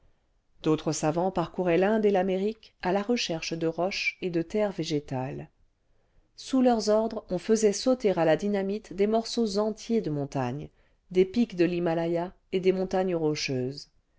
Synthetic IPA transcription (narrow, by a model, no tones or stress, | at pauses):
d̪̥ot̪χəsavɑ̃paʁkuʁɛlɛ̃d̪elameʁikalaʁəʃɛʁʃəd̪əʁɔʃed̪ət̪ɛʁveʒet̪al | sulœʁzɔʁd̪ʁɔ̃fəzɛsot̪eʁalad̪inamit̪d̪emɔʁsozɑ̃t̪jed̪əmɔ̃t̪a̰ɲ | d̪epikd̪əlimalaja | ed̪emɔ̃t̪aɲəʁɔʃøːz